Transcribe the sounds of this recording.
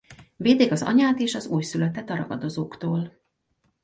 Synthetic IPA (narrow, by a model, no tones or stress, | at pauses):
veːd̪eːɡɒzɒ̰ɲaːt̪eːʃɒzuːjsylɛt̪ɛt̪ɒɾɒ̰ɡɒd̪o̞zoːkt̪oːl